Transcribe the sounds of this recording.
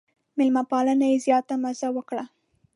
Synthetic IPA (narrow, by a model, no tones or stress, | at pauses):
mɪlmapɑlənajezjɑt̪amazawəkɽa